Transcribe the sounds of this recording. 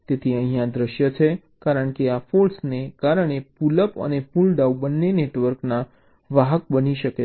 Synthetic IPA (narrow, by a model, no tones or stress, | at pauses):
t̪et̪ʰiə̃ɦĩjãd̪ɾəʃjət͡ʃʰe | kaɾəɳkeafolsnekaɾəɳ̃epuləpə̰nefulɖawbənːeneʈʋəɾkna | ʋaɦək̚bəniʃəke